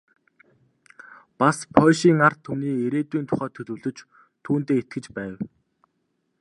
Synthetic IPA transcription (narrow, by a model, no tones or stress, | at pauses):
paspʰɔʃiːŋar̥t̪ʰːumniːeɾeːt̪wiːnt̪ʰʊ̥χœːt̪ʰɵɮɵ̆wɮɵ̆t͡ɕ | t̪ʰuːnt̪eːet̪̚ɡɘ̆t͡ɕpæːw